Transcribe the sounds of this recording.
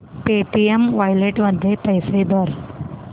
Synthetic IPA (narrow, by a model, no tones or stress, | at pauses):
peʈiemʋajleʈməd̪ʱːjepɐjsed̪ɔːɾ